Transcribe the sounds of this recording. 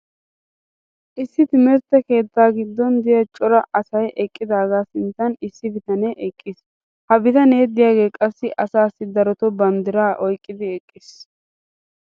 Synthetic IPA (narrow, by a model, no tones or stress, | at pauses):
ʔɪsːɪt̪ɪmɛɾt̪ːɛke̞ːt̪ːaːɡɪd̪ːɔnd̪ɪjɐt͡ʃʼɔɾɐʔɐsɐjʔɛkʼːɪd̪aːɡaːsɪnt̪ːɐnɪsːɪbɪt̪ɐneʔɛkʼːɪs | hɐbɪt̪ɐneːd̪ɪjaːɡe̞ːkʼɐsːɪʔɐsaːsːɪd̪ɐɾɔt̪ɔbɐnd̪ɪɾaːʔɔjkʼːɪd̪ɪɛkʼːɪs